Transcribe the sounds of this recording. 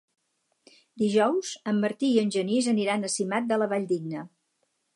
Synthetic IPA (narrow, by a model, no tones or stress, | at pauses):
d̪iʒɔwz̥əmːəɾt̪iːənʲʒənizəniɾanəsimat̪̚d̪ələβaʎd̪iɡ̚nə